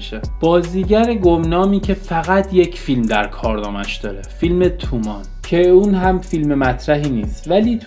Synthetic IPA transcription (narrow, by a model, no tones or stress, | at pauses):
ʃeb̥ɒːziːɟæɾeɡomnɒːmiːcʰe̞fæɣæt̪ʰje̞cʰfilmd̪æɾkʰɒːɾnɒ̰ːmæʃd̪ɒːɾefilmet̪ʰumɒːn | cʰeuːnɦæmfilmemæt̪ʰɾæɦiːniːst̪væliː